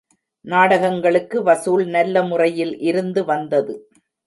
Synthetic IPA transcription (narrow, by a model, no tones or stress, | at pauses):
naːɽɐɣɐŋɡɐɭɯkːɯʋɐsuːlnɐlːɐmʊrɐjɪlʔɪɾɯnd̪ɯʋɐnd̪ɐðɯ